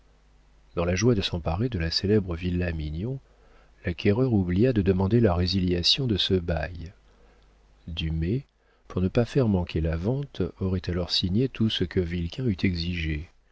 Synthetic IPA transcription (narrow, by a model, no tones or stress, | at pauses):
d̪ɑ̃laʒwad̪əsɑ̃paʁed̪əlaselɛbʁəvilːaminjɔ̃ | lakʰʲɛʁœʁublijad̪əd̪əmɑ̃d̪elaʁeziljasjɔ̃d̪əsəbaj | d̪ymɛ | puʁnəpafɛʁmɑ̃kʰʲelavɑ̃t̪ɔʁɛt̪alɔʁsiɲet̪ʰusəkʰəvilkʲʰɛ̃yt̪ʰɛɡziʒe